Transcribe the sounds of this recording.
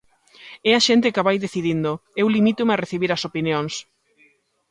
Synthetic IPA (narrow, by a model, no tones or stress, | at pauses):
ɛaʃent̪ɪkaβajðeθiðind̪ʊewlimit̪ʊmɪareθiβiɾɐsopinjoŋs